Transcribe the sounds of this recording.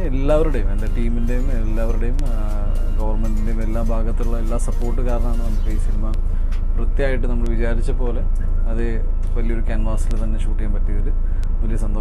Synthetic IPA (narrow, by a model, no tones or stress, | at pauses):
elːaːʋɐɾuɽejumendeʈiːminde̞jumelːaːʋɐɾuɽejum | ɡɐʋɐrmeɳɖindejume̞lːaːmbʱaːɡɐt̪ːiluɭːɐe̞lːaːsɐpːo̞ːrʈːɨkaːɾɐɳɐmenːɐmiʈːɐiːsinimɐ | prɐt̪jaːjiʈːɨnɐmːɐɭʋit͡ɕaːɾit͡ɕːɐpo̞ːle̞ | ɐðɨ | ʋɐlijo̞ɾukaːnɡaːsilt̪ɐnːe̞ɕuːʈːijaːmpɐtːijɐiðɨ | ʋɐlijɐsɐnd̪o